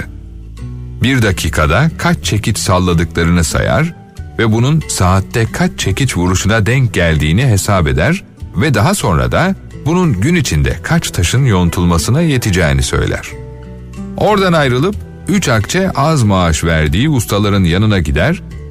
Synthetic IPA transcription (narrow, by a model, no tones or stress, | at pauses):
biɾd̪acʰiːkʰad̪akʰat͡ʃt͡ʃʰe̞cʰit͡ʃsalˠːad̪ɯklˠaɾɯnɯsa̰ja̰ɾ | vɛbununsaːt̪ːɛkʰat͡ʃt͡ʃʰe̞cit͡ʃvuɾuʃunad̪ɛɲc̚ɟælʲd̪iːniɦe̞saːbe̞d̪æɾ | vɛd̪aɦaso̞nɾa̰d̪a | bununɟynit͡ʃʰind̪ɛ̰kʰat͡ʃt̪ʰaʃɯnjo̞nt̪ʰulˠmasɯnaje̞t̪ʰid͡ʒɛ̰ːnisø̞̰jlʲæ̰ɾ̥ | o̞ɾd̪anajɾɯlˠɯp̚ | yt͡ʃakt͡ʃʰɛʔazmaːʃvæɾd̪iːust̪ʰalˠaɾɯnjanɯnaɟid̪æɾ̥